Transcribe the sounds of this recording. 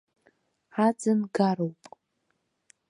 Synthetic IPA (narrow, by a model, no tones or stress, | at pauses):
ad͡zɨnɡaɾowpʼ